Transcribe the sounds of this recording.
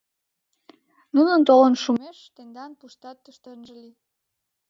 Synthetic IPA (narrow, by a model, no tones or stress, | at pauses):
nunənt̪olənʃumeʃt̪end̪ɑnpuʃt̪ɑt̪ːəʃt̪ənʒəli